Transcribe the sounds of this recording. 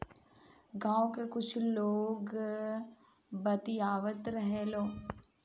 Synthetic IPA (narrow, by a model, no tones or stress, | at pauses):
ɡãːõkekʊt͡ʃʰloːɡ | bɐt̪ijaːʋət̪ɾɐɦeloː